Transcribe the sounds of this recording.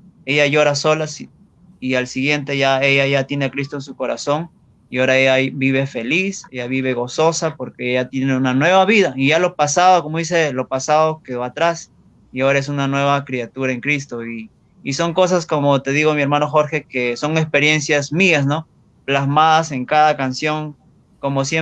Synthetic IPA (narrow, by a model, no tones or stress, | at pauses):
eʝaʝo̞ɾaso̞las | ialsiɣje̞nt̪e̞ʝae̞ʝaʝat̪je̞ne̞akɾis̬t̪oensuko̞ɾa̰so̞ŋ | ioɾaeʝabiβ̞e̞fe̞lise̞ʝaβiβe̞ɣo̞so̞sapo̞ɾkeeʝat̪je̞neunanwe̞βaβiðaiʝalo̞pasaðokomois̬elo̞pasaðokeat̪ɾas | iaoɾae̞s̬unanwe̞βakɾeat̪uɾaeŋkɾist̪o̞iː | so̞ŋko̞s̬asko̞mot̪e̞ðiɣo̞mie̞ɾmano̞xo̞ɾxe̞keso̞ŋespe̞ɾje̞nsjazmiasno̞ | plazmaðase̞ŋkaðakansjo̞ŋ | ko̞mo̞sje